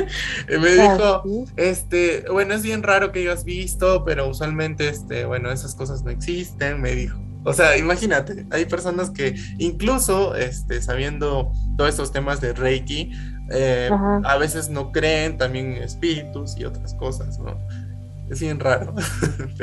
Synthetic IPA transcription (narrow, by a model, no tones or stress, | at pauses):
meðixo̞e̞st̪e̞bwe̞no̞e̞zβje̞nraɾo̞keaɣazβist̪o̞pe̞ɾo̞uswalmẽ̞nt̪e̞est̪e̞̰βweno̞e̞sasko̞s̬azno̞e̞ksist̪e̞nme̞ðixoːseaimaxinat̪e̞ajpe̞ɾso̞naske̞ | iŋkluso̞ḛst̪e̞saβje̞nd̪o̞t̪oest̪ost̪e̞mazðerejki | eaβe̞se̞zno̞kɾe̞ːnt̪ambje̞nḛspiɾit̪usio̞̰t̪ɾasko̞sasno̰ | e̞zβje̞nraɾo̞